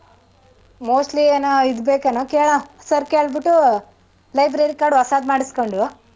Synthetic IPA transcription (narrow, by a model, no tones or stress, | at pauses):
moːsʈlieːnoid̪beːkɐnokeːɭɐ | sɐɾkeːɭbiʈːu | lɐjbɾɐɾikaːɽuɐsaːd̪maːɽiskoɳɖu